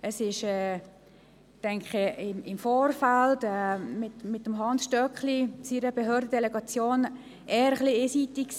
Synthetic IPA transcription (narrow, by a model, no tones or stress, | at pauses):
əsɪʃɛː | tɛŋkχəɪmɪmfoːrfaltɛmɪtmɪtːəmɦɑnsʃtœkχlit͡siɾəbeɦøːɾdədɛlɛɡɑt͡sjoːn | ɛːɾəχlieːsitikks